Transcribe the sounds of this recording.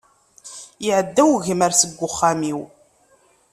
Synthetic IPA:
jɪʕəd̪ːæwʝəmæɾsəɡʷːʊχːamiw

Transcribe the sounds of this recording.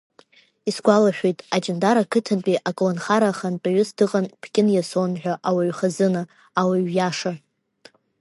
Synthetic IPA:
isɡʷalaħᶣejtʼad͡ʒɪndaɾakʰɨtʰɨnpʼiʔakʼlonχaɾaχant͡pʼaɥʏsdɨqʼanpʰkʲʼɪnjasonħʷᶣaʔawaɥχazɨnɨ | awaɥjaʂa

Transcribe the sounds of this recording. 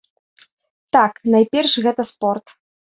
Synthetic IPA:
t̪aknajpʲɛrʂɣɛt̪ɐspɔrt̪

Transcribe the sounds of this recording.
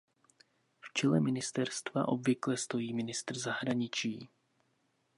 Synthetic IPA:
ft͡ʃɛlɛmɪnɪst̪ɛɾst̪va̰ʔo̞bvɪklɛst̪o̞jiːmɪnɪst̪r̩zaɦɾaɲɪt͡ʃiː

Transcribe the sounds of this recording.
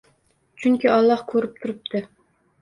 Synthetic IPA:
t͡ʃʰyŋkʲiɑlˠːɑhkʲʰøɾyp̚t̪ʰuɾɨp̚t̪ʰɨ

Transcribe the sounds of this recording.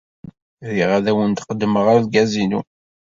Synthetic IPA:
ðiʁaðæwənt̪qəd̪ːməʁaɾðɡæzinu

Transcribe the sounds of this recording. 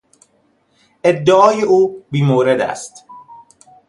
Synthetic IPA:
ʔe̞d̪ːeʔɒːjeʔuːbiːmoːɾe̞d̪æ̰st̪

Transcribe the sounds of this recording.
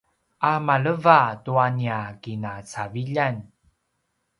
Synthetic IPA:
ʔamaɭəvatuaniakinat͡saviʎan

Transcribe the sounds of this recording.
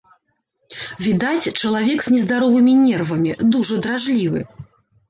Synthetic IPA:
vʲid̪at͡sʲt͡ʂɐlˠavʲɛkz̥ʲnʲɛzd̪aɾɔvɨmʲinʲɛrvɐmʲid̪uʐɐd̪ɾaʐlʲivɨ̰

